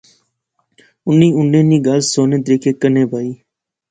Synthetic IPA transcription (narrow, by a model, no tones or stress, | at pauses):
ʊnːiːʊɳɖẽːniːɡaːlsoːnẽːt̪əɾiːkʰeːkəneːbʱaːiː